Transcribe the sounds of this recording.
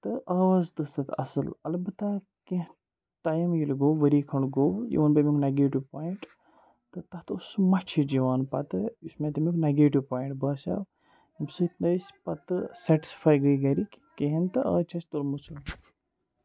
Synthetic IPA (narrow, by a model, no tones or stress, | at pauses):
t̪ɨʔaːʋaːzt̪ɨst̪ɐt̪ɐ̰sɨlɐlbɨt̪a | ke | ʈajimjilɡoːʋəɾiːkʰɐɳɖɡowjḭʋɐnbemʲikneɡeːʈiʋpaːjiɳʈ | t̪ɨt̪ɐt̪usmɐt͡ʃʰid͡ʒiʋaːnpɐt̪ɨjusmet̪ɐmikneɡeːʈiʋpaːjɳʈbɐːsʲa̰w | himsɨit̪nəspɐt̪ɨsɐʈi̥spʰaːjɡəjɡɐɾikʲkeɦint̪ɨɐ̰ːt͡ʃʰɐst̪oɾmusɐl